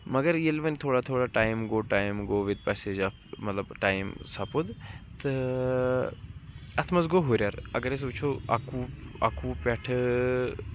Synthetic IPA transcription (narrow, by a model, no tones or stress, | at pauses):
mɐɡəɾjilʋɐnʲt̪ʰoːɽat̪ʰoːɽaʈaːjmɡoːʈaːjmɡoːʋid̪̚pɛːseːd͡ʒafmɐt̪lɐbʈaːjmsɐpud̪t̪ɨ | ɐt̪ʰmɐzɡoɦoːɾʲjaːɾɐ̰ɡəɾes̬uːt͡ʃʰoa̰kuːa̰kuːpɛʈʰ